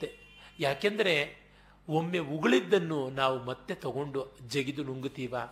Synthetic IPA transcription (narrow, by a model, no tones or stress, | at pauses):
e | jaːkɐnd̪ɐɾe̞ | omːe̞uɡɐɭid̪ːɐnːunaːʋumɐt̪ːe̞t̪ɐɡo̞ɳɖud͡ʒeɡid̪unuŋɡit̪iːʋaː